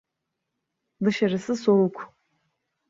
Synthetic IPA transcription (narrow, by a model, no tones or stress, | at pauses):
dɨʃarɨsɨsowkʷʰ